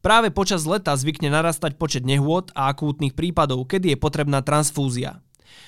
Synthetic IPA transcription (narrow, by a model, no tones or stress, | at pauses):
pɾaːʋɛpɔt͡ʃazlɛt̪azʋikɲɛnaɾaːst̪ac̚pɔt͡ʃɛd̪ɲɛɦʊɔt̪aakuːt̪niːxpɾiːpad̪ɔʊkɛd̪ijɛpɔt̪ɾɛbnaːt̪ɾansfuːzia̰